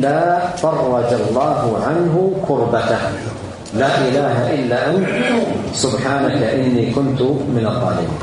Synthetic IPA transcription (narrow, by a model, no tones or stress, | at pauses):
aːfɑrˤːɑd͡ʒɑlˤːɑːɦʊʕanɦʊkʊɾbat̪a | laːʔɪlaːɦaʔɪlːaːʔant̪ | sʊbħaːnakaʔɪnːiːkʊnt̪ʊmɪnɑðˤːɑ̰ːlɪbḭːn